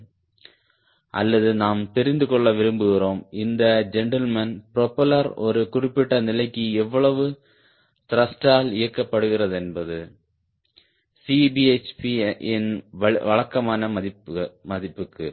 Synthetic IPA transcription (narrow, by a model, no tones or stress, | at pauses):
ʔɐ̰lːɐðɯnaːmt̪ɛɾɪnd̪ɯkɔɭːɐʋɪɾɯmbɯɣɪroːmɪnd̪ɐd͡ʒɛɳʈɐlmɐnpɪɾɔpːɐlɐɾɔɾɯkʊrɪpːɪʈːɐnɪlɐɪkːɯɛʋːɐɭɐʋɯ | t̪ɪɾɐsʈaːlɪjɐkːɐpːɐɽɯɣɪrɐðɛnbɐðɯ | sibiet͡ʃpiʔɪnɐʋɐɭɐkːɐmaːnɐɐmɐðɪpːɯkːɯ